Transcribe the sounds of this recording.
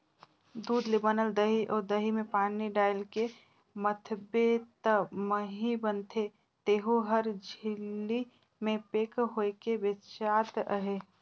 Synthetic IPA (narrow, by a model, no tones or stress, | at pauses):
d̪uːd̪lebənəld̪əɦiʔɔːɾd̪əɦimẽpaːniɖaːɪlke | mət̪ʰbet̪əməɦibənt̪ʰe | t̪eːɦuɦəɾd͡ʒʱɪlːi | mẽpeːkɦoekebeʃaːt̪əɦe